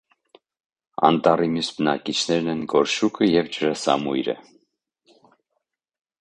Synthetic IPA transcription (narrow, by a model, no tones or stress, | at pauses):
ɑ̰nt̪ɑrimjusbənɑkit͡ʃʰnɛɾnɛnɡɔɾʃukʰəjɛvd͡ʒəɾɑsɑ̰mujɾə̰